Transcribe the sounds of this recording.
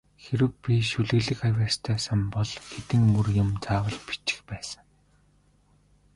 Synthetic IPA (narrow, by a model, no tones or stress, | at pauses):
xeɾɘ̆wpʲiʃuɮɘ̆ɣɮɘ̆kajwaːst̪ʰœːsămpɔɮxet̪ɘ̆ŋmɵrjʊ̆mt͡saːwə̆ɮpi̥t͡ɕɪ̥̆xpæːsə̥̆ŋ